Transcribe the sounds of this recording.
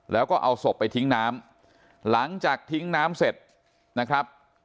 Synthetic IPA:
lɛː˦˥wkɔː˥˩ʔa˧wso˨˩pːa˧jt̪ʰi˦˥ŋnaː˦˥m | la˩˦ŋt͡ɕaː˨˩k̚t̪ʰi˦˥ŋnaː˦˥mse˨˩t̪̚ | na˦˥kʰɾa˦˥p̚

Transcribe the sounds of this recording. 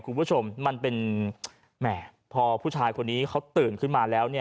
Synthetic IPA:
kʰu˧npʰu˦˥˩o˧mːa˧npe˧n | mɛ˦˧˩ | pʰɔː˧pʰuː˥˩t͡ɕʰaː˧jkʰo˧nːiː˦˥kʰa˦˥wt̪ɯː˨˩nkʰɯ˥˩nmaː˧lɛː˦˥wni˥˩ɐ

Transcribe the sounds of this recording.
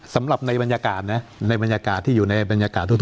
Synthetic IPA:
sa˩˦mɾa˨˩p̚na˧jba˧njaː˧kaː˨˩t̪̚na˦˥na˧jba˧njaː˧kaː˨˩t̪ʰːiː˥˩juː˨˩na˧jba˧njaː˧kaː˨˩t̪ʰːu˥˩t̪

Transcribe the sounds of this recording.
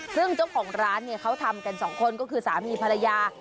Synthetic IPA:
sɯ˥˩ŋt͡ɕa˥˩wkʰɔː˩˦ŋɾaː˦˥nːi˥˩ɐkʰa˦˥wt̪ʰa˧mka˧nsɔː˩˦ŋkʰo˧nkɔː˥˩kʰɯː˧saː˩˦miː˧pʰa˧la˧jaː˧

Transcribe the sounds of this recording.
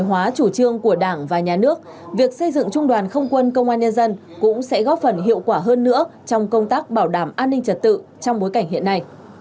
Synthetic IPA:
ɦwaː˨˦t͡ɕu˧˩t͡ɕɨ˧əŋku˧˩əɗaː˧˩ŋvaː˨˩ɲaː˨˩nɨ˦˥ək̚ | vi˨˩ək̚sə˧jzɨ̰˧˨ŋt͡ɕʊ˧ŋ͡mɗwaː˨˩nxə˧wŋ͡mkwə˧nkə˧wŋ͡mʔaː˧nɲə˧nzə˧n | kʊ̰˧˥ŋ͡msɛ̰˧˥ɣɔ˦˥p̚fə˨˩nɦḭ˧˨əwkwaː˧˩ɦəː˧nːɨ̰˧˥ət͡ɕɔ˧wŋ͡mkə˧wŋ͡mt̪aː˦˥k̚ɓaː˧˩wɗaː˧˩mʔaː˧nːï˧ŋ̟t͡ɕə˨˩t̚t̪ɨ̰˧˨t͡ɕɔ˧wŋ͡mɓo˨˦jka˧˩jŋ̟ɦḭ˧˨ənːa˧j

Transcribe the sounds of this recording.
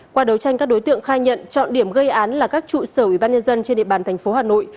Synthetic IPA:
kwaː˧ɗə˨˦wt͡ɕa˧jŋ̟kaː˦˥k̚ɗo˨˦jt̪ɨ̰˧˨əŋxaː˧ɲə̰˧˨nt͡ɕɔ̰˧˨nɗi˧˩əmɣə˧jʔaː˨˦nlaː˨˩kaː˦˥k̚t͡ɕṵ˧˨səː˧˩wi˧˩ɓaː˧nɲə˧nzə˧nt͡ɕe˧nɗḭ˧əɓaː˨˩nt̪ʰjŋ̟fo˨˦haː˨˩no̰˧˨j

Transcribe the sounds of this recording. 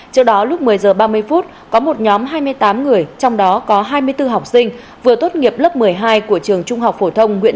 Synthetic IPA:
t͡ɕɨ˦˧˥k̚ɗɔ˨˦lʊ˦˥k͡p̚mɨ˨˩əjzəː˨˩ɓaː˧mɨ˧əjfu˦˥t̚kɔ˨˦mo˨˩t̚ɲɔ˨˦mɦaː˧jmɨ˧əjt̪aː˨˦mŋɨ˨˩əjt͡ɕɔ˧wŋ͡mɗɔ˨˦kɔ˨˦ɦaː˧jmɨ˧əjt̪ɨ˧ɦa˨˩wk͡p̚sï˧ŋ̟ | vɨ˨˩ət̪o˦˥t̚ŋi˨˩əp̚lə˦˥p̚mɨ˨˩əjɦaː˧jku˧˩ət͡ɕɨ˨˩əŋt͡ɕʊ˧ŋ͡mɦa˨˩wk͡p̚fo˧˩t̪ʰə˧wŋ͡mŋwḭ˧˥

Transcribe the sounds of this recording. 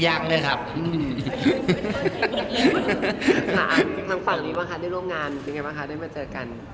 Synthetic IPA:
jaː˥˩k̚lɤː˧jkʰa˦˥p̚ʔɯː˧˩m | a̰˧˩ʔmt̪ʰa˦˥ŋfa˨˩ŋniː˦˥˩baː˧ŋʰa˦˥da˥˩jɾu˥˩˨mŋaː˧npe˧ŋka˧˩ba˧kʰa˦˥da˥˩jmaː˧˩t͡ɕɤː˧˩ka˧n

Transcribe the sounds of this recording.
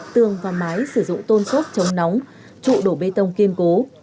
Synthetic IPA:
t̪ɨ˨˩əŋvaː˨˩maː˨˦jsɨ˧˩zʊ̰˧˨ŋ͡mt̪o˧nko˦˥p̚t͡ɕə˨˦wŋ͡mnɔ˨˦wŋ͡m | t͡ɕṵ˧˨ɗo˧˩ɓe˧t̪ə˧wŋ͡mki˧ənko˨˦

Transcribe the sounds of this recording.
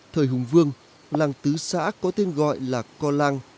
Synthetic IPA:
t̪ʰəː˨˩jɦʊ˨˩ŋ͡mvɨ˧əŋ | laː˧ŋt̪ɨ˨˦sa̰ː˧˥kɔ˨˦t̪e˧nɣɔ̰˧˨jlaː˨˩kɔ˧laː˧ŋ

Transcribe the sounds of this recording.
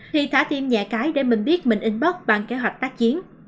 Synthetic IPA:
i˨˩t̪ʰaː˧˦t̪i˧mɲaː˨˩kaː˨˦jɗe˧˩mï˨˩ŋ̟ɓi˦˥ət̚mï˨˩ŋ̟ʔi˨˧˦ŋ̟ɓə˦˥k͡p̚ɓa˨˩ŋke˨˦ɦwa˨˩jk̚t̪aː˦˥k̚t͡ɕi˨˦ən

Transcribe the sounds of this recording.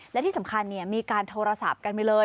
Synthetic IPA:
llɛ˦˥t̪ʰiː˥˩sa˩˦ŋkʰa˧nːi˦˥˩ɐmiː˧kaː˧nt̪ʰoː˧ɾa˧sa̰˨˩p̚ka˧nma˧jlɤː˧j

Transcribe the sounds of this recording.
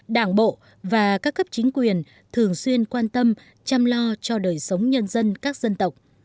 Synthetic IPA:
ɗaː˧˩ŋɓo̰˧˨ | vaː˨˩kaː˦˥kːə˦˥p̚t͡ɕï˨˦ŋ̟kwi˨˩ən | t̪ʰɨ˨˩əŋswi˧ənkwaː˧nt̪ə˧m | t͡ɕa˧mlɔ˧t͡ɕɔ˧ɗəː˨˩jsə˨˦wŋ͡mɲə˧nzə˧nkaː˦˥k̚zə˧nt̪ə˨˩wk͡p̚

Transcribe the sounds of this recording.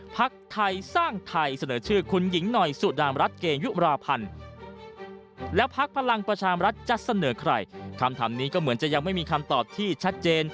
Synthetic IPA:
pʰa˦˥k̚t̪ʰa˧jsaː˥˩ŋt̪ʰa˧jsa˧nɤː˩˦t͡ɕʰɯː˥˩kʰu˧nji˩˦ŋnɔ˨˩jsu˨˩daː˧mɾa˦˥t̪̚keː˧ŋju˦˥ʔɾaː˧pʰa˧n | lɛː˦˥wpʰa˦˥k̚pʰa˧la˧ŋpɾa˧t͡ɕʰaː˧ɾa˦˥t̪̚t͡ɕa˨˩ʔsa˧nɤː˩˦kʰɾa̰˧˩jkʰa˧mt̪ʰa̰ː˩˦mniː˦˥kɔː˥˩mɯ˩˦ənt͡ɕa˨˩ja˧ŋma˥˩jmiː˧kʰa˧mt̪ɔː˨˩p̚t̪ʰiː˥˩t͡ɕʰa˦˥t̪̚t͡ɕeː˧n

